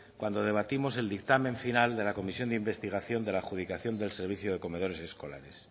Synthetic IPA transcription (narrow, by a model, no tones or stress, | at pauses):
kwand̪oð̞e̞β̞at̪imo̞se̞ld̪ik̚t̪amẽ̞ɱfinald̪e̞lako̞misjo̞nd̪eimbe̞st̪iɣ̞aθjo̞nd̪e̞laxuð̞ikaθjo̞nd̪e̞lse̞ɾβiθjuðe̞ko̞me̞ð̞o̞ɾe̞se̞sko̞la̰ɾe̞s